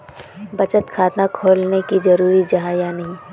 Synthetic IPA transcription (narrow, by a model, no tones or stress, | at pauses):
bɐt͡ʃət̪kʰaːt̪nakʰoːlnekizɐɾuːɾid͡ʒɐɦãjanɐɦĩ